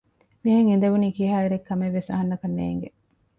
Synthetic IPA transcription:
miɦɐŋind̪ɐʋuniːkiɦaːiɾekːɐmeʋːesɐ̰ɦɐnːɐkɐnːḛːŋɡe

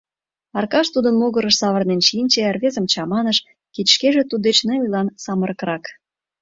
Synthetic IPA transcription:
ɑrkɑʃt̪ud̪ə̆nmoɣəɾəʃsɑβə̆rnenʃinʲt͡ɕerβezə̆mt͡ɕɑmɑnəʃ | kit̪ʃkeʒĕt̪ud̪et͡ɕneujlɑnsɑməɾəkɾɑk

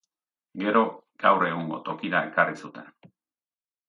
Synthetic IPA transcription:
ɡe̞ɾo̞ɡ̥awre̞ɣ̞uŋɡo̞t̪o̞kiɾae̞karisut̪e̞n

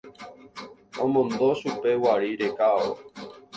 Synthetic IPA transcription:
õmõnd̪oʃupewaɾiɾekao̰

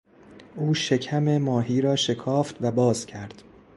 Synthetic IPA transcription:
ʔuːʃe̞cʰæmemɒːɦiːɾɒːʃe̞kʰɒːft̪væbɒːzcʲʰæɾd̪̥

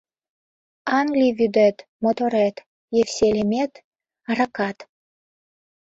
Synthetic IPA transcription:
ɑŋɡlʲivyd̪et̪mot̪oɾet̪ | jefsʲelʲemʲet̪ | rɑkɑt̪

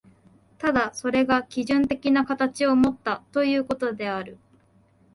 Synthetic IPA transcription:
t̪ad̪aso̞ɾe̞ɡakʲiʑɨ̃nt̪e̞kʲinakat̪at͡ɕio̞mo̞t̪ːat̪o̞jɯ̟ːko̞t̪o̞d̪e̞aɾɯ̟

